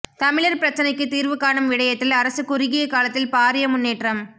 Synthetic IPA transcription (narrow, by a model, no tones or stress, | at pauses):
t̪ɐmɪɭɐɾpɪɾɐt͡ʃːɐnɐɪkːɯt̪ːiːɾʋɯkːaːɳɐmʋɪɽɐjɐt̪ːɪlɐɾɐsɯkʊɾɪɣɪjɐkaːlɐt̪ːɪlpaːɾɪjɐmʊnːeːʈrɐm